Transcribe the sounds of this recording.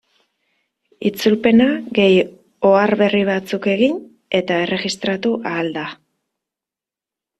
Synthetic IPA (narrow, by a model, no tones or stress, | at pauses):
it͡sulpe̞naɣe̞j | o̞aɾβe̞riβ̞at͡suke̞ɣin | e̞t̪ae̞re̞ɣist̪ɾat̪uʔaːld̪a